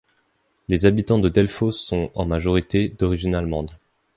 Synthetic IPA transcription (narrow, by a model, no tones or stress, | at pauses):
lezabit̪ɑ̃d̪əd̪ɛlfosːɔ̃ɑ̰̃maʒɔʁit̪ed̪ɔʁiʒinalmɑ̃d̪